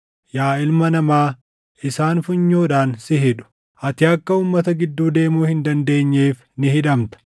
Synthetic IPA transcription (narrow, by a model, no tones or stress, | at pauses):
jaːɪlmɐnɐmaː | ʔɪsaːnfʊɲːoːᶑaːnsɪɦɪᶑʊ̥ | ʔɐt̪ɪɐkːɐuːmːɐt̪ɐɡɪd̪ːuːd̪e̞ːmuːhɪnd̪ɐnd̪e̞ːɲːeːf | nɪɦɪᶑɐmt̪ɐ̥